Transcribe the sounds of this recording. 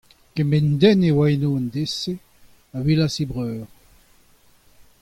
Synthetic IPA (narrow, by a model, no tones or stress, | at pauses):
kɛmɛnd̪ɛnewaenoːand̪ese | avilasibʁœːʁ